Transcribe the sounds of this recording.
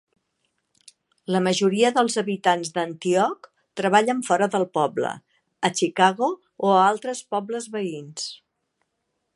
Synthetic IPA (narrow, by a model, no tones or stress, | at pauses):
ləməʒuɾiəðəlˠzəβit̪anzðənt̪iɔk | t̪ɾəβ̞aʎəɱfɔɾəðəlˠpɔblə̰ | ət͡ʃikaɣoː | alˠt̪ɾəspɔbləzβəins